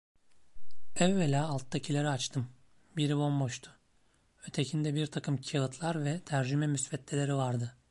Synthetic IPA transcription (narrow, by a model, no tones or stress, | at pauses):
ɛvːelʲaːlˠt̪ʰːacʰilʲeɾiat͡ʃt̪ʰɯm | biɾibo̞mbo̞ʃt̪ʰʊ̥ | øt̪ʰecʰind̪ɛbiɾt̪ʰakʰɯmcʰialˠɯt̪ʰlˠaɾvɛt̪ʰæɾd͡ʒymɛmysfɛt̪lʲelʲe̞ɾivaɾd̪ɯ